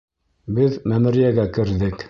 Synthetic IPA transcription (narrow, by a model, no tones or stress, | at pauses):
bɘðmæmɘ̆ɾijæɡækɘ̆ɾðɘk